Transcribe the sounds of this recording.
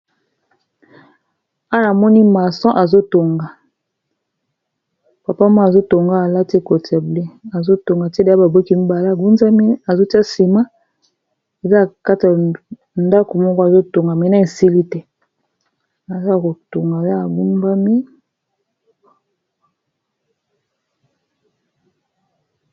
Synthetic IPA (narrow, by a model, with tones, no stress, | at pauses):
a˦n˨a˨mɔ˦ni˦ma˨sɔ̃˦ʔa˨zo˦to˨ŋɡa˨ | pa˨pa˦ma˦˨a˨zo˦to˨ŋɡa˦a˨la˦ti˦ko˨ta˨ble˦a˨zo˦to˨ŋɡa˨te˦da˨˦a˦ba˨bo˦ki˦m̩˦ba˨la˦˨ɡu˦nza˦mi˦a˨zo˦ti˦a˦si˨ma˦ | e˨za˦˨ka˦ta˨ | nda˦ko˨mɔ˦kɔ˦a˨zo˦to˨ŋɡa˨me˨na˦e˨si˦li˦tɛ˦ | a˨za˦˨ko˨to˨ŋɡa˨ja˦a˨ɡu˦mba˦mi˦